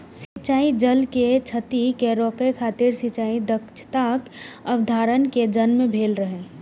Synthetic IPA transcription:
sit͡ʃaːid͡ʒəlket͡ʃʰət̪ikeɾɔkəjkʰaːt̪ɪɾsit͡ʃaːid̪əkt͡ʃʰt̪akəbd̪ʱaːɾənked͡ʒənmẽbʱeːlɾəɦɛ̃

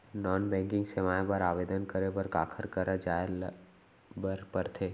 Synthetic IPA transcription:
nɔːnbɛ̃ːŋkɪ̃ŋɡsemaːjbəɾaːʋeːd̪ənkəɾepəɾkaːkʰəɾkəɾəd͡ʒaːl | bəɾpəɾt̪ʰeː

